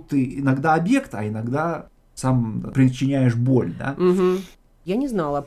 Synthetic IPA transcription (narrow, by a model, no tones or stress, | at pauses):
tt̪ːɨɪnɐɡd̪aɐbje̞kt̪ɐ̰ɪnɐɡd̪a | sampɾʲɪt͡ɕːɪnʲæjɪʂbo̞lʲd̪a̰m̩ɦm̩ | janʲɪznalˠə